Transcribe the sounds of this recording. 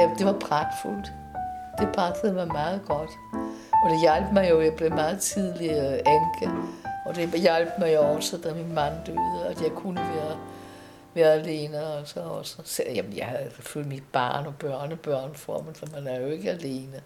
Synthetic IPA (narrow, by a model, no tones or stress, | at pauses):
jæd̥e̝ʋɑ̈pʰʁɑɡ̥ful̰d̥ | d̥e̝pʰʁɑ̈ɡ̥əð̩ˠmɑ̈ɪmɑ̈ːð̞̩ˠɡ̥ɒ̽d̥ | ɒ̽d̥e̝jælb̥mɑ̈ɪjo̝jɑɪb̥le̝mɑ̈ːð̩ˠt͡sʰið̞ˠliʔæŋɡ̥əɒ̽d̥e̝jælb̥mɑ̈ɪjoɒ̽səd̥æminmɑnd̥øːðˠəæd̥jɑ̈ɪkʰunəʋæːɐ | ʋæːɐæle̝ːnəɒsɒɒ̽səseljæmənjɑ̈ɪhæðˠseføl̰imid̥̚b̥ɑ̈ːnɒ̽b̥ɶɐ̰nəb̥ɶɐnfɒ̰mn̩sɒmænæjo̝e̝ɡ̥əæle̝ːnə